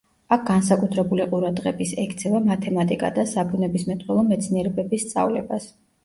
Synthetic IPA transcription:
ak̚ʰɡ̥ansakʼut̪ʰɾɛbuliqʼuɾad̪ʁɛbisɛkʰt̪sʰɛvamat̪ʰɛmat̪ʼikʼa̰d̪asabunɛbismɛt̪ʼwɛlˠɔmɛt̪sʰniɛɾɛbɛbisːt̪sʼa̰vlɛbas

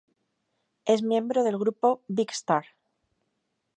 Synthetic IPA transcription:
e̞zmjẽ̞mbɾo̞ðe̞lɣɾupo̞βikst̪aɾ

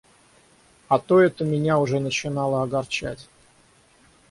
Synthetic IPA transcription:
ɐt̪oɛt̪əmʲɪnʲaʊʐɛnət͡ɕɪnɑlˠəɐɡɐrt͡ɕæ̰tʲ

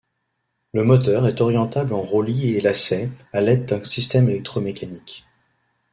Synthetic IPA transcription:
ləmɔt̪œʁɛt̪ɔʁjɑ̃t̪ablɑ̃ʁolielasɛalɛd̪d̪ɛ̃sist̪ɛmelɛk̚t̪χomekanik

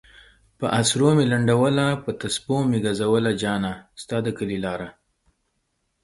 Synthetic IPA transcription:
pəʔasɾomelaɳɖawəlapət̪aspomeɡazawəlad͡ʒɑnast̪ɑd̪əkəlilɑɾa

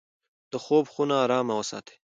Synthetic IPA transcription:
d̪̥əxobxunaːɾɑːmawəsɑ̰ːt̪ʰe̥

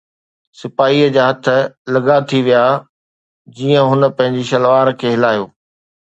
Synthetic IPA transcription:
sɪpaːɦiːəd͡ʑaːɦɐt̪ʰə̆lɐɡat̪ʰiʋija | d͡ʑiːə̃ɦʊnə̆pɐ̃ɦɪ̃ɲd͡ʑiʃɐlʋaːɾkʰeːɦɪlaːjoː

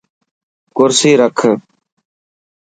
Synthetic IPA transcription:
kʊɾsiːɾəkʰə

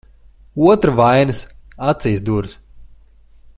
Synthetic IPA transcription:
uɔt̪ɾavajnɨsat̪siːsd̪uɾs

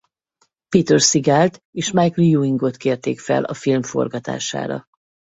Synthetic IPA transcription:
piːt̪ørsiɡaːlt̪ | eːʃmajklijuːiŋɡot̪keːrt̪ḛːkfɛ̰lʔɒfilmfo̞̰rɡɒt̪a̰ːʃa̰ːɾɒ̰

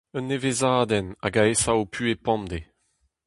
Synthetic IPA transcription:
œnːevezaːd̪ɛna̰ɡaesaopʰyepɑ̃md̪e

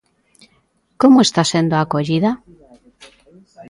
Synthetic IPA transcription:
komoest̪asend̪oakoʎiða

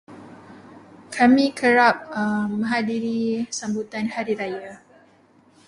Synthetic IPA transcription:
kʰamĩkʰəɾap̚əːə̃ɦadiɾisambut̪anhaɾiɾaja

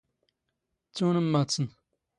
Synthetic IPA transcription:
t͡suːnəmːat͡sɨn

